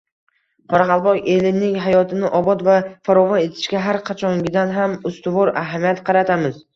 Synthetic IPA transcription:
qʰɒɾɑqɑlˠbɒqe̞lɪnɪŋɦajɒt̪ʰɪnɪʔɒbɒt̪vafaɾɒvɒne̞t̪ʰɪ̥ʃkʲaɦaɾqʰɑt͡ʃʰɒŋɡʲɪd̪anɦamʊst̪ʊvɒɾaɦamijat̪qʰɑɾat̪ʰamɪz̥

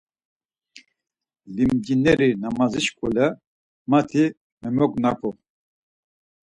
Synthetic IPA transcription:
limd͡ʒinɛɾinamazit͡ʃkʰʼulɛ | mat̪ʰi | mɛmɔkʼnapʰɔ

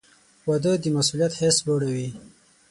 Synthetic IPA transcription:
wad̪əd̪əmasulijat̪hesboɽawi

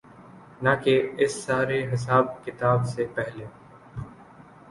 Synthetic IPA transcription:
nɐkeɪsːaːɾeɦɪs̬aːb̚kɪt̪aːbsepɛɦle

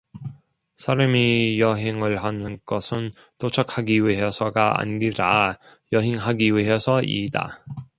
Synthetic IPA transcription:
sʰaɾamijʌɦeŋɯɭɦanɯnɡ̥ʌsʰɯn | t͈ot͡ɕʰʌkʰhaɡiwiɦe̞sʰʌɡaa̰ɲːiɾa | jʌɦeŋɦaɡiwiɦe̞sʰʌḭda̰

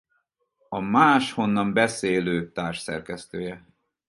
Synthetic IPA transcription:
ɒmaːʃho̞nːɒmbɛseːløːt̪aːrʃsɛ̰rkɛst̪øːjɛ

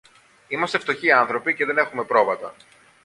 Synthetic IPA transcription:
imɐst̪e̞ft̪o̞çiɐnθɾo̞pice̞ðe̞ne̞xume̞pɾo̞vɐt̪ɐ̰

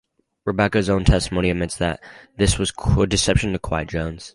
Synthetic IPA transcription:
ɹɨbɛkɨzõʊ̃ntʰɛstəmõʊ̃niɨmɪtsðɨt̪̚ðɪswʌz̥ədɨsɛpʃɨ̃ntɨkʰw̥aɪtd̥ʒ̥õʊ̃nz̥

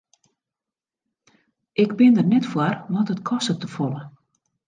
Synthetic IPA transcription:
ʔɪɡbɪndərnɛtfwarʋɔtətkʰɔstətəfɔlə

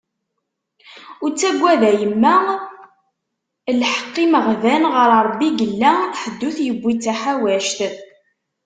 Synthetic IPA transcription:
ʊɾt͡sːæɡʷːæðæjəmːæ | lħə̥qːiməʁðænʁəɾˤɾˤbːiɡəlːæħəd̪ːuθjəbʷːit͡sːæħawæʃt̪

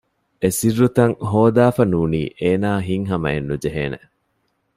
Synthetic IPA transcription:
esirːut̪ɐŋɦoːd̪aːfɐnuːnḭːʔeːnaːɦiŋɦɐmɐ̰enːud͡ʒeɦeːnḛ

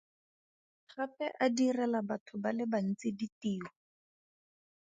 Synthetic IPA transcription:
χapɛʔadirɛlabatʰʊbalɪban̩t͡sɪditiːɔ

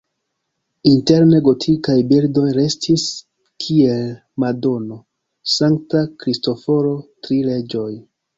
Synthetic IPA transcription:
inte̞ɾneɡo̞tʰikajbildo̞jɾe̞stʰis | kʰie̞l | mado̞no̞ | saŋktakɾisto̞fo̞ɾo̞tɾile̞d͡ʒo̞j

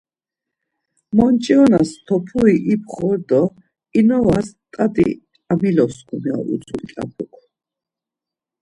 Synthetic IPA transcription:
mɔnt͡ʃʼiɔnast̪ʰɔpʰuiʔip̚ʰχɔɾd̪ɔ | inɔvast̪ʼat̪ʼḭ | amilɔskʰumɛɔ̰ɾṵt͡sʰut͡ʃʼa̰pʰukʰ

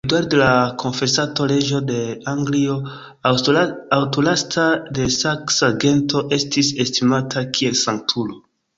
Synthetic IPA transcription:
daɾdelakʰo̞nfe̞sato̞le̞d͡ʒo̞de̞aŋɡlio̞ | wtolastade̞saksaɡe̞ntʰo̞ʔe̞stise̞stimatʰakʰie̞lsaŋk̚tʰulo̞

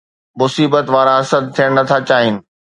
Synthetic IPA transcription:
mʊsiːbət̪ʋaːɾãɦɐsəd̪̚t̪ʰːijəɽ̃nɐt̪ʰat͡ɕaːɦɪnɪ̆

